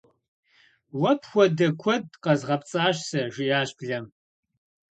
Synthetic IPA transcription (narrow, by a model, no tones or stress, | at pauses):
wɐpʰxʷɔdɐkʷʰɔdqɐzʁɐp̚t͡sʼaːɕsɐʒʷɪjaːɕpʰɮɐm